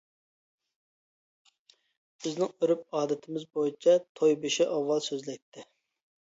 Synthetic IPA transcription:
b̥ɪznɪŋøɾyp̚ɑːd̪ɪt̪ʰɪmɪzbojit͡ʃʰɑt̪ʰojbeʃɛʔɑwːɑlˠsøzlɛk̚ʲt̪ʰːɪ

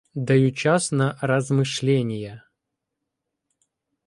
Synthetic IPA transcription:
d̪ɐjut͡ɕasnɐrəzmɨʂlʲenʲɪjə

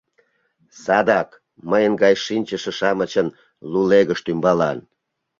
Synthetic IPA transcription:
sɑd̪ɑk | məjənɡɑjʃinʲt͡ɕəʃə̆ʃɑmət͡ɕən | luleɣəʃt̪ymbɑlɑ̰n

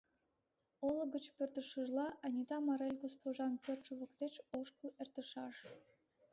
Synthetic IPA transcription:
olə̆ɡə̆t͡ɕpʲørt̪əʃəʒlˠɑʔɑnʲit̪ɑmɑɾelʲɡospoʒɑnpʲørt̪t͡ʃuβə̆kt̪et͡ɕoʃkə̆lert̪əʃɑʃ

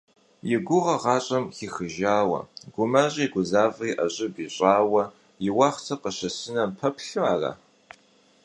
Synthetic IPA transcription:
jɪɡʷʊʁɐʁɑːɕʼɐmxixɨʒaːwɐ̰ɡ̥ʷʊmaɕʼiːɡʷʊzaːviːʔɐɕʼɪbiːɕʼaːwɐ | jɪwɑːχt͡sʰɐqəɕɐsɨnɐmpʰɐpɬuaːra̰ː

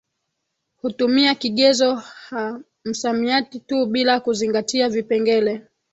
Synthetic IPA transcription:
hutumiakiɠɛzɔha | m̩samiatituɓilakuziŋɡatiavipɛŋɡɛlɛ

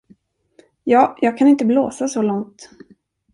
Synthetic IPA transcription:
jɑːjɑːɡ̚kʰanɪnt̪əbloːsasɔlɔŋt̪

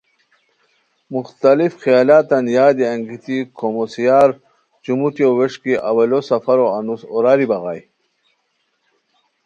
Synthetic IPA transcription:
muxt̪alifxijaːlaːt̪anjaːd̪iaŋɡit̪ikʰomosijaːɾ | t͡ɕumut̪ioweʂkiʔawelosɐfaɾoanusoɾaːɾibaɣa̰ːj

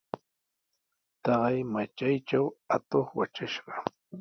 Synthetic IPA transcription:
t̪ɑɢɑjmat͡ʃajt͡ʃawat̪oχwat͡ʃaʃɢɑ

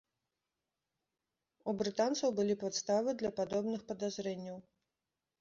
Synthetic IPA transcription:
ubɾɨt̪ant̪sɐwbɨlʲipat̪st̪avɨd̪lʲɐpad̪ɔbnɨxpɐd̪azɾɛnʲːɐw

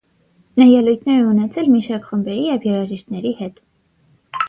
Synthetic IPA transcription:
nɑjɛlujt̪ʰnɛɾɛunɛt͡sʰɛlmiʃɑɾkχəmbɛɾijɛvjɛɾɑʒiʃt̪nɛɾihɛt̪

